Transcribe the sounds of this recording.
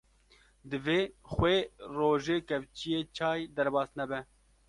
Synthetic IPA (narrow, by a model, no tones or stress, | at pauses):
d̪ɨveːxweːroːʒeːkɛvt͡ʃijeːt͡ʃʰɑːjd̪ɛɾbɑːsnɛbɛ